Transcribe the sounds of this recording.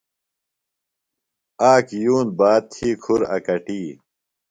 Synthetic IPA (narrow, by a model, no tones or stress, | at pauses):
aːkjuːnbaːt̪̚t̪ʰiːkʰuɾɐ̰kɐʈiː